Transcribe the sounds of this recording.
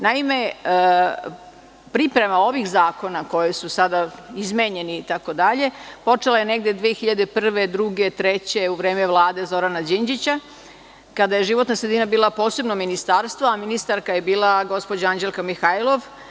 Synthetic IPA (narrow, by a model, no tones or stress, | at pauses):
naime̞ | pɾipɾe̞mao̞ʋixzaːko̞nako̞jisusad̪aizmeɲe̞niːt̪ako̞d̪aʎe̞po̞t͡ʂelajeneɡd̪jed̪ʋiexiʎad̪epr̩ʋe̞d̪ɾuɡe̞t̪ɾe̞t͡ɕe̞uʋɾe̞ːmeʋlˠaːd̪e̞zo̞ɾanad͡ʑind͡ʑit͡ɕa | kad̪aje̞ʒiʋot̪nasɾed̪inabiːlˠapo̞ːse̞bnominist̪aɾst̪ʋaːminist̪aɾkajebiːlˠaɡo̞spo̞d͡ʑaand͡ʑelˠkamixailˠo̞ʋ